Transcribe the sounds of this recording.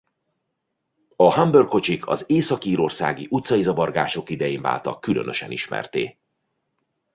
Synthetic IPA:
ɒhambørkʰo̞t͡ʃikʰɒ̰zeːsɒkiːɾo̞rsa̰ːɡiʔut̪sɒjizɒvɒrɡaːʃo̞kid̪ɛjeːɱva̰ːlt̪ɒ̰kylø̞̰nø̞ʃɛniʃmɛ̰rt̪ḛː

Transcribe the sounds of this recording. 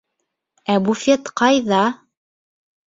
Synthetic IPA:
æbufet̪qɑjðɑ

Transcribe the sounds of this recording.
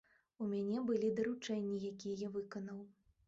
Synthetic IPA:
umʲanʲɛbɨlʲid̪ɐɾut͡ʂɛnʲːijakʲijɛjavɨkɐnɐw

